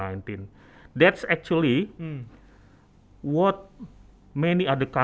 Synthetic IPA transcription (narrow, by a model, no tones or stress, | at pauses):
ajnt̪in | dɛtsɛk̚t͡ʃuli | wɔt̪̚ | mɛniadəkã